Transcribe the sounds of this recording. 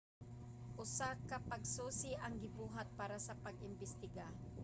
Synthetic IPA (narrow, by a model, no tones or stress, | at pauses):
ʔʊsakɐpɐɡ̚suːsɪʔɐŋɡɪbuːɦat̪̚paːɾasɐpɐɡʔɪmbɪst̪ɪɡa